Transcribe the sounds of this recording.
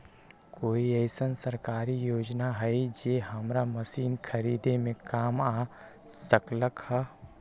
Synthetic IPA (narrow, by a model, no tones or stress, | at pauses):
koːiɛɪsənsəɾkaːɾijoːd͡ʒnaɦəid͡ʒeːɦəmɾaməsiːnkʰəɾiːd̪emẽkaːmaː | səkləkhə